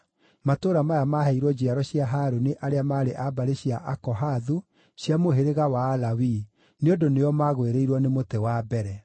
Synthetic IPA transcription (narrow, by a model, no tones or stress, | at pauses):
matoːɾamajamahɛiɾwɔd͡ʑiaɾɔɕjaɦaɾoneʔaɾeamaːɾeʔabaɾeɕijaʔakɔɦaðu | ɕjamoɦeɾeɣawaːlawi | neodoneɔmaɣweɾeiɾwɔnemotewabɛɾɛ